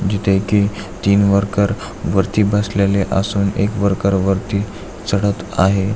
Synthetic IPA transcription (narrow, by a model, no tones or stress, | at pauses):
d͡ʑit̪ʰekit̪iːnʋəɾkəɾ | ʋəɾt̪iːbəsleleʔa̰suːnḛkʋəɾkəɾʋəɾt̪i | t͡səɽət̪aɦe